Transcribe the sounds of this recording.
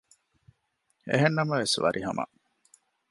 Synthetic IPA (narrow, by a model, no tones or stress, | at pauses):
ḛɦenːɐmɐʋesʋɐ̰ɾʔiɦɐmɐ̰